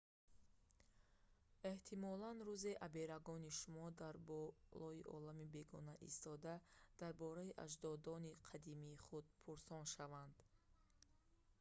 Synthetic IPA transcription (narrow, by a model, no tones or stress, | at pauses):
e̞ht̪ʰimɔlanɾuze̞ʔabe̞ɾaɡɔniʃumɔd̪aɾbɔlɔiʔɔ̰lamibe̞ɡɔnaʔḭst̪ɔd̪ad̪̥aɾbɔɾaiʔa̰ʒd̪ɔd̪ɔniqʰad̪imiːχud̪̚pʰuɾsɔnʃavand̪